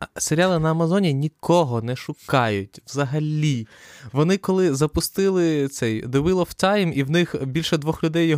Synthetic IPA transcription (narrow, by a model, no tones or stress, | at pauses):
seɾʲalˠɪnɐːmɐzɔnʲinʲikɔɦɔnɛʃʊkɑjʊtʲʋzɐɦɐlʲiʋɔnɪkɔlˠɪzɐpʊst̪ɪlˠɪt̪sɛjd̪ewɪlˠɔft̪ɑjmiwnɪxbʲilʲʃɛd̪ʋɔxlʲʊd̪ɛjːɔ